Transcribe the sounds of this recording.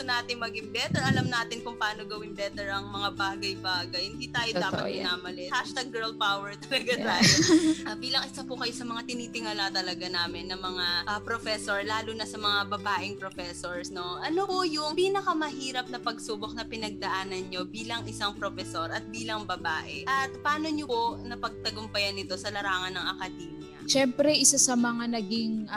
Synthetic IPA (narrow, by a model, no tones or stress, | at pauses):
onaːt̪ɪŋmɐɡɪŋbɛːt̪ɛɹɐlɐmnaːt̪ɪnkʊŋpaːno̞ɡɐwɪnbɛːt̪ɛɹɐŋmɐŋabaːɡɐjbaːɡɐjhɪnd̪iːt̪aːjoaːpɐt̪mɪnaːmɐlɛhaʃt̪ɐɡ̚ːɛɹl̚pawɛɹt̪ɐlɐɡat̪aːjoɐbiːlɐŋʔɪsapʊkɐjosɐmɐŋat̪ɪniːt̪ɪŋɐlɐt̪ɐlɐɡanaːmɪnːɐmɐŋaʔɐpɾofɛsoɹlaːlunɐsɐmɐŋabɐbaːʔɪŋpɾofɛsoɹsno̞ʔɐnopʊjʊŋpiːnɐkɐmɐɦiːɾɐp̚nɐpɐɡsuːbok̚nɐpɪnɐɡ̚d̪ɐʔaːnɐnɲo̞biːlɐŋɪsaŋpɾofɛsoɾɐt̪̚biːlɐŋbɐbaːʔɛʔɐt̪̚pɐaːno̞ɲoponɐpɐɡ̚t̪ɐɡʊmpɐjɐnːɪt̪o̞sɐlɐɾaːŋɐnɐŋɐkɐd̪iːnɐ̰ʃɛmpɾɛʔɪsasɐmɐŋanɐɡiŋ